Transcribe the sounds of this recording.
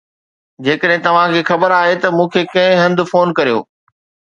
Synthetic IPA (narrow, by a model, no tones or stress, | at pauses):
d͡ʑeːkəɗɦɪ̃t̪ɐʋ̤ãkʰeːxɐbəɾaːɦet̪ɐmũːkʰeːkɐ̃ɦɪ̃ɦɐ̃nd̪ʱʊfoːnkɐɾijo̰ː